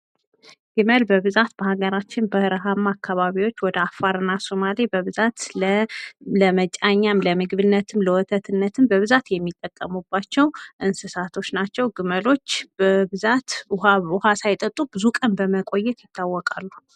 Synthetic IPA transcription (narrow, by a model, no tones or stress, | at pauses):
ɡ̥ɨməlbəβɨzat̪bəhaɡəɾat͡ʃːɪnbəhɨɾəɦamːakʰːaβaβiwo̞t͡ʃːwɔd̪əafːaɾɨnːasomalibəβɨzat̪l | ləmət͡ʃʼaɲːamləmɨɡβɨnːət̪ʰɨmləwɔt̪ʰət̪ʰɨnːət̪ʰɨmbəβɨzat̪jɛmːit̪ʼːəkʼːəmubːat͡ʃːɛwʔɨnsɨsat̪ʰo̞t͡ʃnat͡ʃːɛwɡɨməlo̞t͡ʃːbəbɨzat̪haʊhasajt̪ʼət̪ʼːubɨzukʼənbəməkʼo̞jːɛt̪jɪt̪ʰːawːɔkʼalːu